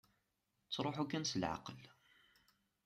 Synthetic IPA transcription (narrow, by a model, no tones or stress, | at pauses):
t͡sːɾˤoħukːænsəlʕa̰qəl